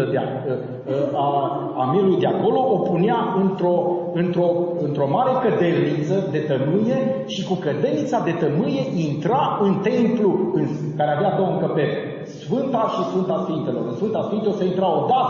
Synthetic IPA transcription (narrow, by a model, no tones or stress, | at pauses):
əd̪ea̰ | a | amiɾulujd̪e̞ako̞lo̞ʔopuneaɨnt̪ɾo | ɨnt̪ɾo̞ɨnt̪ɾo̞maɾe̞kəd̪elnit̪səd̪e̞t̪ənuje̞ʃikukəd̪e̞lnit̪sad̪e̞t̪ənɨje̞ʔint̪ɾaɨnt̪e̞mpluɨn | kaɾeavead̪owəŋkəpe̞ɾe | sfɨnt̪aʃisfɨnt̪asfint̪e̞lo̞̰ɾɨnsfɨnt̪asfint̪eoseint̪ɾao̞d̪at̪